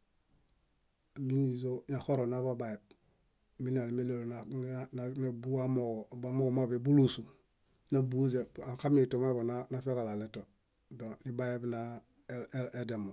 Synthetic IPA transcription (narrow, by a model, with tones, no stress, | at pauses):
mi˦ni˨zo˦na˨xo˦ɾo˨naba˦ba˨je˨b̚ | mi˦na˨li˨me˦lo˨lonnana˨bu˦a˦mo˨ba˦mo˦˨mabe˨bu˦lu˦su˨ | na˨bu˦ze˨a˨ka˦mi˦to˨ma˦bo˨nanafe˦ka˨la˨le˦to˨ | do˨ni˦ba˦je˦bna | e˦de˨mo˨